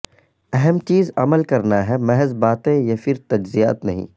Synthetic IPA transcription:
ɛɦɛmt͡ʃiːzɐməlkɐɾnaɦɛmɛɦzbaːt̪ẽjɐfɪɾt̪ɐd͡ʒzija̰ːt̪nɐɦḭ̃ː

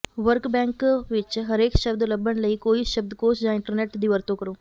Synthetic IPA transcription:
ʋəɾkbɛ̃ːŋkʋɪt͡ʃɦɐɾeːkʃəbd̪ləbːənləiːkoːiʃɐb̚d̪koːsd͡ʒãːɪ̃ɳʈəɾneːʈd̪iːʋəɾt̪õkəɾoː

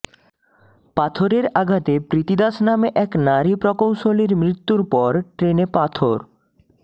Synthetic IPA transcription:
pat̪ʰoɾeɾaɡʱat̪epɾit̪id̪asnameʔɛknaɾipɾɔkowʃoliɾmɾit̪ːuɾpɔɾʈɾenepat̪ʰoɾ

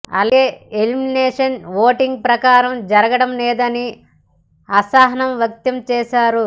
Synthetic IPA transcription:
ɐ̰leːeliminɛːʂɐnʋoːʈiŋɡ̚pɾɐkaːɾɐmd͡ʒɐɾɐɡɐɽɐmlɛːd̪ɐni | ɐsaːɦɐnɐmʋjɐk̚t̪ɐmt͡ʃɛːʃaːɾu

